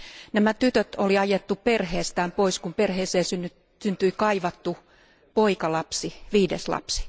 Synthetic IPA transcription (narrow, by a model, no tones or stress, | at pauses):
næmæt̪yt̪øt̪oliɑjet̪ːuperheːst̪æːmpoiskumperheːseːsynːy | synt̪yikɑiʋɑt̪ːu | poikɑlɑpsiʋiːdeslɑ̰psi̥